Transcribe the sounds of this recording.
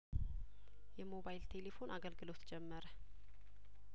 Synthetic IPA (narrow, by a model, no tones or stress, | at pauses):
jɛmo̞bajlt̪ʰe̞le̞fo̞naɡəlɡɨlo̞t̪d͡ʒɛmːəɾə